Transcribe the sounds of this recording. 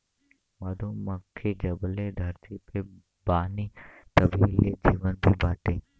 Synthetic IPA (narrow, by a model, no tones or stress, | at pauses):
məd̪ʱõməkʰːid͡ʒəbled̪ʱəɾt̪ipe | baːnit̪əbiled͡ʒiʋənbʱibʱaʈe